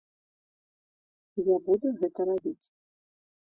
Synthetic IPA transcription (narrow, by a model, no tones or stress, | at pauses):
ijabud̪ɛɣɛt̪ɐɾabʲit͡sʲ